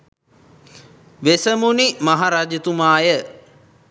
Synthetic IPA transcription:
ʋesəmunimaɦaɾad͡ʒət̪umaːjə

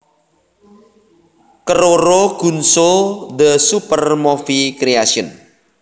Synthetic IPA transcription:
kəɾoɾoɡ̥ṳnsold̪əsupərmofikɾeasiʊn

